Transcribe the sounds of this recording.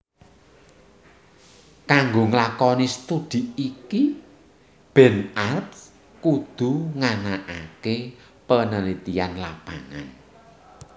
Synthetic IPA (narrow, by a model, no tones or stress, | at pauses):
kaŋɡoŋlakɔnist̪ud̪̥i̤iki | b̥ɛ̤narps | kud̪̥ṳŋanaʔake | pənəlit̪ianlab̥aŋa̰n